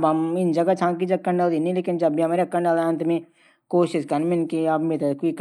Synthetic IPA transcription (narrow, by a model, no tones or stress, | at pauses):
bɦɐmɪnd͡ʒɐɡat͡ʃʰãːkid͡ʒɐkːəɳɖəld̪inĩleːkɪnd͡ʒɐbbʱiɦɐmaːɾeɐkːəɳɖəlaɐnt̪mẽ | koːʃɪʃkɐɾnmɪnkiɐbmet̪kik